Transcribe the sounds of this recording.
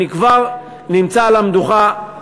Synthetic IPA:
ikvaʁ | nimt͡salamd̪uχa

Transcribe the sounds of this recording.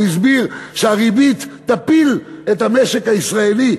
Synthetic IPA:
is̬biʁʃeaʁibit̪ːapilet̪hameʃekhaisʁaeli

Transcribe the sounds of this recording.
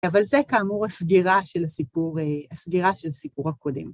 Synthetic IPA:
avalzekaːmuʁasɡiʁaʃelasipuʁeasɡiʁaʃelasipuʁhakodem

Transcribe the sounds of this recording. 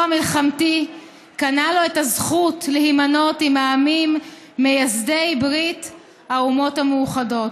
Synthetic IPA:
amilχamti | kanalo̞etazχutlehimano̞timaːmimː | ejazdejbʁit | haumo̞thamejuχado̞t

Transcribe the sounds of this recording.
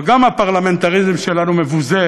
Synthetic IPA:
ɡamapaʁlament̪aʁizmʃelanumevuze

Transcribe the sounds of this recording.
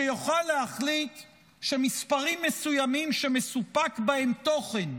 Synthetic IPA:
ejoχalːeaχlit̪ | ʃe̞mispaʁimːe̞sujamimʃe̞me̞supakbahe̞mt̪o̞χe̞n

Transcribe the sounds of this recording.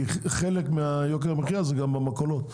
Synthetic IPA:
χelekmeajok̬eʁameχjazeɡambamakolot̪

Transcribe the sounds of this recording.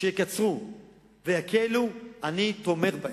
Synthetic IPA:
eekat͡sʁu | vehakʰeluanit̪o̞me̞ʁba

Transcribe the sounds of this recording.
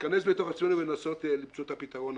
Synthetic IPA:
kanes̬bet̪o̞χasmenuvenaso̞t̪limt͡soot̪apit̪aʁo̞n

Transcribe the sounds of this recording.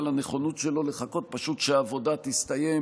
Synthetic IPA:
laneχo̞nutʃe̞lo̞leχako̞t̪̚paʃut̪ʃeaːvo̞d̪at̪ist̪aje

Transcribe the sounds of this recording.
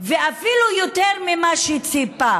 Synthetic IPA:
veafilujot̪eʁmimaʃit͡sipa

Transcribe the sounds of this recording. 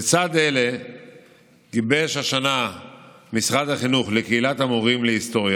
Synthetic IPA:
t͡sad̪ele̞ | ɡibeʃhaʃana | misʁad̪haχinuχlekeilatamoʁimleist̪o̞ʁja

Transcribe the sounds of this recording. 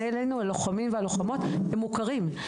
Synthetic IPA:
elejnualoχamimvealoχamo̞t̪hemːukaʁim

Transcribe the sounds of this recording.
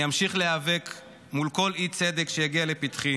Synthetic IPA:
jamʃiχleavek | mulko̞lit͡sed̪ekʃejaɡialepit̪χi

